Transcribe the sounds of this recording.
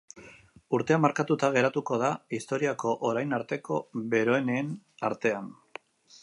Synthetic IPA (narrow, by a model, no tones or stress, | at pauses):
uɾt̪e̞amaɾkat̪ut̪aɣ̞e̞ɾat̪uko̞ð̞aist̪o̞ɾiako̞ʔoɾajnaɾt̪e̞ko̞βe̞ɾo̞eneːn | aɾt̪e̞an